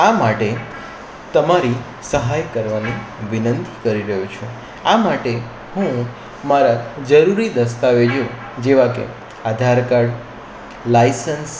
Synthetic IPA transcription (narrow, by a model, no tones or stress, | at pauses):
amaʈe | t̪əmaɾi | səɦajkəɾʋaniʋinənt̪ikəɾiɾəɦũt͡ʃʰũ | amaʈe | ɦũ | maɾad͡ʒəɾuɾid̪əst̪aʋed͡ʒo | d͡ʒeʋakḛ | ad̪ʱaɾkaɾɖ | lajsəns